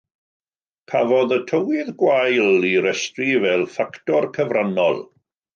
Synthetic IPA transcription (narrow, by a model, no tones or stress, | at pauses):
kʰavɔðətʰəwɪðɡwajliɾɛstrivɛlˠfaktɔrkʰəvranɔ̰lˠ